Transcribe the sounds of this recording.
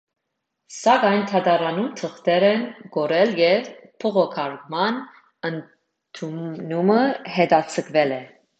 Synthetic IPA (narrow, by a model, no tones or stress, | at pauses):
sɑɡɑjnt̪ʰɑd̪ɑɾɑnumt̪ʰəχt̪ɛɾɛnɡ̥ɔɾɛljɛvpʰəʁɔkʰɑɾɡmɑn | ən | t̪ʰunuməɦɛd̪ɑt͡sʰəkʰvɛlɛ